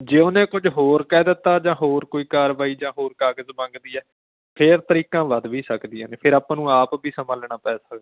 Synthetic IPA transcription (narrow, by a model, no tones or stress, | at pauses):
d͡ʒeːʊnẽːkʊd͡ʒɦoːɾkɛːd̪ɪt̪ːaːd͡ʒãːɦoːɾkoːiːkaːɾʋaːiːd͡ʒãːɦoːɾkaːɡəzmãːŋɡd̪iːɛː | pʰɪɾt̪əɾiːkãːʋəd̪ʋiːsəkd̪ijãːneːpʰɪɾaːpãːnũːaːpbiːsəmaːlɳ̃aːpɛːsaː